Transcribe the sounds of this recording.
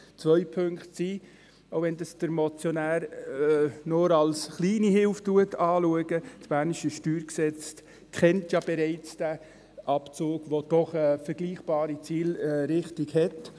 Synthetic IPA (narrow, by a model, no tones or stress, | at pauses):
t͡sʋœʏpʰɵŋkχtsiː | oʊʋɛndɑsd̥əɾmɔt͡sjonæːɾ | noɾɑlsχliːniɦɪlftuətɑːluəɡət͡sb̥æːnɪʃəʃtyːɾksɛt͡st | kχɛntjɑb̥ɛɾaɪt͡sd̥æ | ʔɑpt͡soːɡ̥ʋod̥ɔχəfəɾɡ̥liːχb̥ɑːɾit͡siːlɾɪχtiɡhɛt